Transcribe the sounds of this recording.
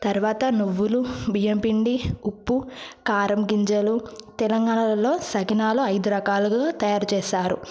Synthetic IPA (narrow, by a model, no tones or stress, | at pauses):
t̪ɐɾʋaːt̪ɐnuʋːulubijɐmpiɳɖiupːukaːɾɐmɡiɲt͡ʃɐlut̪ɛlɐŋɡaːɳɐlɐlo̞ːsɐɡinaːloɐjd̪uɾɐkaːlɐɡaːt̪ɐjaːɾut͡ʃɛːʃaːɾu